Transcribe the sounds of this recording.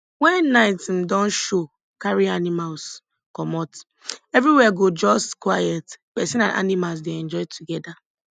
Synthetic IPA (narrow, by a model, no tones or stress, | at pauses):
wɛ̃nːaɪtm̩dɔ̃nʃo | kaɹianimals | kɔmɔt | ɛvɹiwɛɡod͡ʒɔstkwajɛtpɛsĩnãnʔa̰nimals̬deɛ̃nd͡ʒɔɪtʰuɡɛda